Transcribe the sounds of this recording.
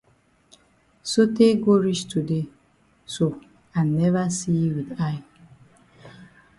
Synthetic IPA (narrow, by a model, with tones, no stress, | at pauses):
so˦te˦ɡo˦ɹi˦t͡ʃtu˨de˦ | so˨ | a˨nɛ˦vasi˦wi˨da˦j